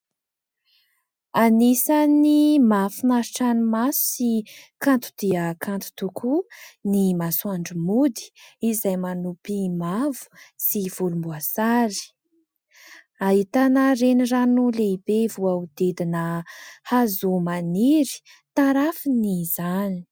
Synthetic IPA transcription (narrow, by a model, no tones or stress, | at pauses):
anisanimafinaɾiʈ͡ʂanimasu̥sikãnt̪u̥d̪̥iəkʰant̪u̥t̪ukʰunimasuaɳɖ͡ʐumud̪i̥izajmanupimavu̥siv̥ulumbuasaɾi̥ | aɦit̪anəreniranuleibevuaud̪̥ed̪inəhazumaniɾi̥ | t̪aɾafiniz̥ani̥